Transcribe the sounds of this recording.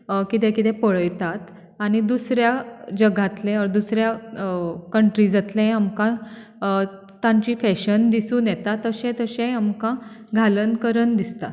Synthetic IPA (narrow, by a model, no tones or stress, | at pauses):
kit̪ɛ̃kit̪ɛ̃pəɭəjt̪at̪ | aɽ̃id̪usɾjad͡ʑəɡʱat̪lẽɔɾd̪usɾja | kəɳʈɾid͡zat̪lẽamkã | t̪ãɲt͡ɕiːfɛɕənd̪isũːnjɛt̪at̪ːəɕɛ̃t̪əɕɛ̃amkãɡʱalənkəɾənd̪ist̪a̰